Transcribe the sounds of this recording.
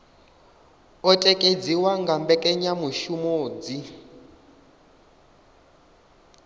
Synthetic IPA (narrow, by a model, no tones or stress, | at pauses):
ɔtʼɛkʼed͡ziwaŋɡambɛkʼɛɲamuʃumoːd͡zi